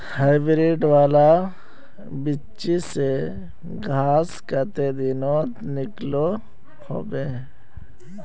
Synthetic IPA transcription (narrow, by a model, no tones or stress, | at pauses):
haːɪbɾiːɖʋaːla | bɪ | t͡ʃise | ɡʱaːskət̪ed̪ɪnoːt̪nɪklo | ho̰ːbeː